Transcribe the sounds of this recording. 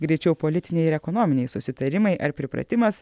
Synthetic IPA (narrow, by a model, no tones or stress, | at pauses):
ɡɾʲɛɪt͡ʃʲɛʊpolʲɪt̪ʲɪnʲɛɪɪɾɛkɔnɔːmʲɪnʲɛɪsʊsʲɪt̪ɐɾʲɪmɐɪʔɐɾpʲɾʲɪpɾɐ̰t̪ʲɪmɐs